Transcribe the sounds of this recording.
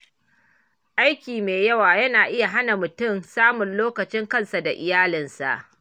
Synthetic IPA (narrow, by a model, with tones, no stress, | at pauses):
ʔa˦jkʲiː˨meː˨jɐ˦waː˨jɐ˦naː˨ʔɪ˦ja˨ɦa˦na˨mʊ˨tʊ˦˨msaː˦mʊ˨nloː˦kɐ˨t͡ʃɪ˦ŋkɐ˦nsa˨da˨ʔɪ˨jaː˦lɪ˨nsa̰˨ʔ